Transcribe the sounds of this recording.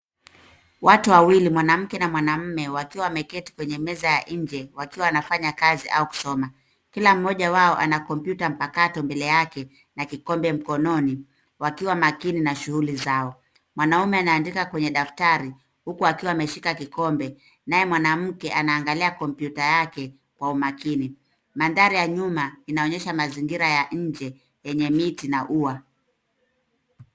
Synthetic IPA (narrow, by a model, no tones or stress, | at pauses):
watuwawilimwanam̩kɛnamwanam̩mɛwakiwaːmɛkɛti̥kwɛɲɛmɛzajaʔɲd͡ʒɛwakiwaanafaɲakaziʔauku̥sɔma | kilam̩ːɔʄawaɔʔa̰nakɔmpjutam̩pakatɔmbɛlɛjakɛ | nakikɔmbɛm̩kɔnɔni | wakiwamakininaʃuhulizaɔ | mwanaumɛanaːndikakwɛɲɛɗaftaɾi | hukuakiwaːmɛʃikakikɔmbɛ | najɛmwanam̩kɛʔanaːŋɡaliakɔmpjutajakɛ | kwaumakini | mandaɾijaɲumainaɔɲɛʃamaziŋɡiɾajaɲ̩d͡ʒɛ | jɛɲɛmitinaʔua